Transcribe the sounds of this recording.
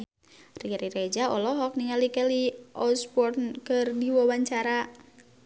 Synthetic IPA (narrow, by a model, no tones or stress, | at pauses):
riɾiɾed͡ʒaɔlɔɦɔk̚niŋalikɛliʔɔsbɔrnkɨrdiwawaɲt͡ʃaɾa